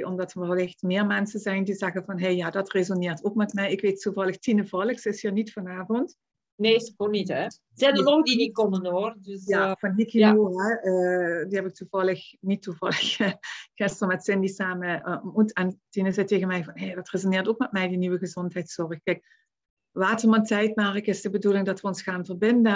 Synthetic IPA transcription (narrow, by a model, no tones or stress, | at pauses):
ʔɔmdɑtəʋlɪxtmɪːɹmɛnsəzɛjndizɛɣəvɑnɦejjaːdɑtrezonɪːɹtokmɛtmɛjɪkʋetuvɑlˠəxtinəvɑləxsəɪshiːrnitfɑnaːvɔnt | neːskonitɛ | zɛdəloŋdinikɔmənoːrdjaːvɑnːikioɦɛəːdihɛbɪk̚tuvɑlˠəxnitːuvɑ̰lˠəxxɪstrəmɛtsɪndisaːməmutɛntinəzɛjteːɣənmɛjvɑnɦeːdɑtrezonɪːrtokmɛtmɛjdiniʋəɣəzɔntɦɛjtsɔrəxkɛjk̚ | ʋaːtərmɑntɛjtmaːrɪkɪsd̥əbədulɪŋdɑtʋəɔnsxaːnvərbɪndə